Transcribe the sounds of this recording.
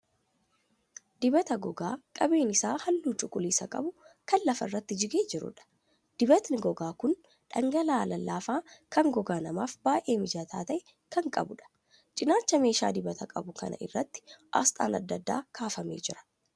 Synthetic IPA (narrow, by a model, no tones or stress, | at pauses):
d̪ɪbɐt̪ɐɡɔɡaːkʼɐbe̞ːnɪsaːhɐlːuːt͡ʃʼʊkʼːʊliːsɐkʼɐ̰bʊkɐnlɐfɐrːɐt̪ːɪd͡ʒɪɡeːd͡ʒɪɾʊ̰ᶑɐ̥ | d̪̥ɪbɐt̪nɪɡɔɡaːkʊn | ᶑɐŋɡɐlaːlɐlːaːfaːkɐŋɡɔɡaːnɐmaːfbaːʔe̞ːmɪd͡ʒaːt̪ʰa̰ːt̪ɐʔɛ | kɐŋkʼɐ̰bʊᶑɐ̥ | t͡ʃʼɪnaːt͡ʃːɐme̞ːʃa̰ːd̪ɪbɐt̪ʰɐkʼɐbʊkɐ̰nɐ̰ʔɪ̰rːɐt̪ːɪ̥ʔɐ̰st̪ʼa̰ːnɐ̰d̪ːɐd̪ːa̰ːkʰaːfɐmḛːd͡ʒɪɾɐ̥